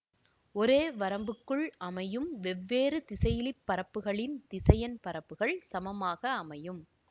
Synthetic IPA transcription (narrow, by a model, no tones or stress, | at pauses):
ɔɾeːʋɐɾɐmbɯkːɯɭɐmɐjɯmʋɛʋːeːɾɯt̪ɪsɐjɪlɪpːɐɾɐpːɯɣɐɭɪnt̪ɪsɐjɐnpɐɾɐpːɯɣɐɭsɐmɐmaːɣɐːmɐjɯm